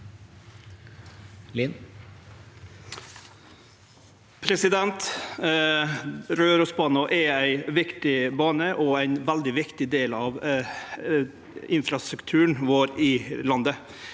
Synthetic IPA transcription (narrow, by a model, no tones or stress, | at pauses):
lɪn | pʰɾɛsɪd̪ɛnt̪ | ɾøːɾɔsbɑːnɔʔɛæɪʋɪkt̪ɪbɑːnəʔɔæɪnʋæld̪ɪʋɪkt̪ɪd̪eːlɑːʋ | ɪnfɾɑst̪ɾʉkt̪ʰʉːɳʋoːɾɪlɑnd̪ə